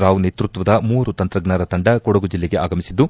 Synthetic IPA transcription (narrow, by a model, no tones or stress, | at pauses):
ɾaːʋuneːt̪ɾut̪ʋɐd̪ɐmuːɾut̪ɐnt̪ɾɐɡnaɾɐt̪ɐɳɖɐkɔɽɐɡud͡ʒilːeɡeaːɡɐmisid̪ːu